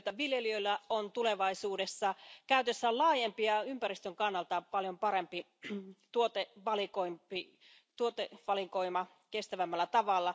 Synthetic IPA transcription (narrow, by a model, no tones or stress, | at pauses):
t̪ːæʋiljeliøilːæont̪uleʋɑisuːdesːɑkæˑyt̪esːællɑːjempiɑympærist̪øŋkɑnːɑlt̪ɑpɑljompɑɾempi | t̪uot̪eʋɑlikoimi | t̪uot̪eʋɑlikoimɑ | kest̪æʋæmːælːæt̪ɑʋɑlːɑ